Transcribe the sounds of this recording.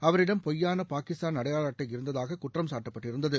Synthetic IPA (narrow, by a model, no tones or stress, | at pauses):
ɐʋɐɾɪɽɐmpɔjːaːnɐpaːkɪst̪aːnɐɽɐjaːlaːʈːɐɪɪɾɯnd̪ɐðaːɣɐkʊʈrɐmsaːʈːɐpːɐʈːɪɾɯnd̪ɐðɯ